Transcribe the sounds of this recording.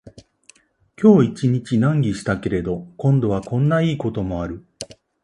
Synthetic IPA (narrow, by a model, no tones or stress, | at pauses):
kʲo̞ːit͡ɕiɲ̟it͡ɕinãŋɡʲiɕi̥t̪ake̞ɾe̞d̪o̞kõ̞nd̪o̞βakõ̞nːaiːko̞t̪o̞mo̞aɾɯ̟